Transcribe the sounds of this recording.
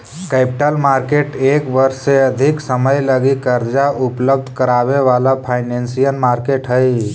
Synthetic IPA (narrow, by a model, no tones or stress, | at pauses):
kepiʈəlmaɾkeʈekʋəɾseəd̪ʱiksəməjləɡikəɾd͡ʒaʔupləbd̪ʱkəɾaʋeʋalapʰaɪnensijənmaɾkeʈɦəj